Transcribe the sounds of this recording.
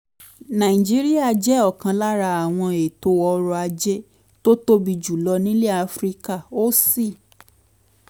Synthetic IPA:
nã˨i˨d͡ʒi˦ɾi˦a˦˨d͡ʒɛ˦ɔ˦˨kã˧la˦ɾa˧a˨w̃ɔ̃˧e˨to˧˦ɔ˧ɾɔ˧a˧d͡ʒe˦ | to˦to˦bi˧d͡ʒu˨lɔ˧nĩ˦le˦a˧fɾi˦ka˦˨o˦si˦˨

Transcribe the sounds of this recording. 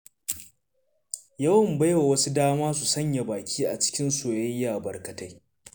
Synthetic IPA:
jɐ˦wɐ˨mba˦jwa˨wɐ˦su˦daː˦maː˦su˨sɐ˦ɲja˨baː˨kʲiː˦ʔa̰˨t͡ʃɪ̥˦kʲɪ˦nsoː˨jɐ˦jjaː˨bɐ˨rkɐ˨ta˦j

